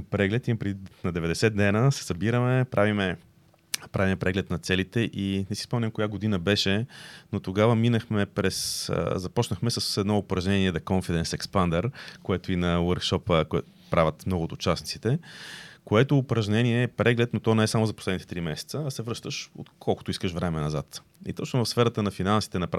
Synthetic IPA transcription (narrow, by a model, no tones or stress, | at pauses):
pɾɛɡlɛt̪ipɾɛd̪inɐd̪ɛvɛd̪ɛsɛt̪̚d̪ɛnəsɛ̥sɐbiɾəmɛpɾʔavimɛ | pɾavimɛpɾɛɡlɛt̪nɐt̪sɛlit̪ɛʔinɛsi̥spɔmnʲəmkojaɡod̪inəbɛʃɛnot̪oɡavəminəxmɛpɾɛszɐpɔt͡ʃnəxmɛsəsɛd̪nɔʊpɾɐʒnɛniɛd̪ɐkɔɱfid̪ɛnsɛkspand̪ɛɾkoɛt̪ʊinɐwəɾkʃɔpəkoɛt | pɾavʲət̪mnɔɡʊːt̪ʊt͡ʃasnit̪sit̪ɛkoɛt̪ʊːpɾɐʒnɛniɛːpɾɛɡlɛt̪̚not̪ɔnɛɛsamʊzɐposlɛd̪nit̪ɛt̪ɾimɛsɛ̥t̪səɐsɛvɾɤʃt̪əʃo̰t̪kʰɔlˠkʊ̥t̪ʊiskəʃvɾɛmɛnɐzat̪ | ḭt̪ɔt͡ʃnovɐfsfɛɾət̪ənɐfinansi̥t̪ɛnɐpɾ